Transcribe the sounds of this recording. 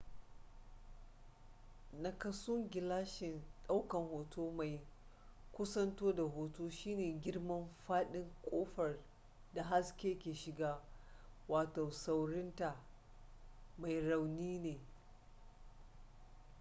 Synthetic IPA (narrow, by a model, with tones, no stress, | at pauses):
na˨kɐ˦sʊ˦ŋɡʲɪ˨laː˦ʃɪ˨nɗa˦wkɐ˨ŋhoː˨toː˦ma˨j | kʷʊ˦sɐ˦ntoː˦da˨ɦoː˨toː˦ʃiː˦neː˨ɡʲɪ˦ɽmɐ˦mɸaː˦ɗɪ˦ŋkʷʼoː˦ɸɐ˨r | da˨ɦa˦skʲeː˦kʲeː˨ʃɪ˨ɡaː˦waː˨toː˨sa˦wɽɪ˦nta˨ | ma˨jɽa˨wniː˦neː˨